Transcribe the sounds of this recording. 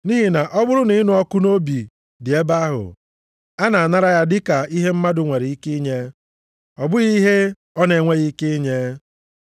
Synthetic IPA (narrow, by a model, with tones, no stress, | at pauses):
ni˦ɦi˨na˨ʔɔ˦bʊ˦ɾʊ˦ni˨˦nʊ˨˦ɔ˦kʊ˦no˦bi˨ | dɪ˨e˦ba˦a˦ɦʊ̰˨ | a˦na˨a˨na˦ɾa˦ja˦dɪ˦ka˨i˦ɦe˦m̩˦ma˦dʊ˨ŋʷe˨ɾi˨i˦ke˦ɲe˦ | ɔ˨bʊ˦ɣi˦ɦe˦ | ɔ˦ne˨ŋʷe˦ɣi˨˦ke˦i˦ɲe˦